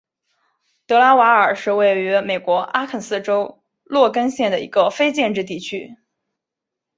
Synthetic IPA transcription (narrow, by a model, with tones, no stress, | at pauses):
t̪ɤ˧˥la˥wa˧˥ə˞˨˩ʂɻ̩˥˧we˥˩ɪy˧˥me˨˩ɪkwɔ˧˥ʔa˥kʰə˨˩nsɹ̩˥˩ʈ͡ʂo˥ʊ | lwɔ˥˩kə˥nɕjɛ˥˩nd̪ə˩ḭ˧˥ɡə˧fe˥ɪt͡ɕjɛ˥˧nʈ͡ʂɻ̩˥˧t̪i˥˩t͡ɕʰy˥